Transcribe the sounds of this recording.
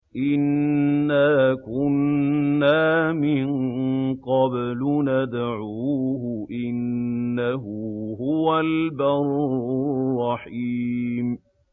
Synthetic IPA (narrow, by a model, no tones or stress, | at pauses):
ʔɪnːaːkʊnːaːmɪŋqɑblʊnad̪ʕuːhʊʔɪnːaɦʊɦʊwalbaɾˤʊrˤːɑħiːm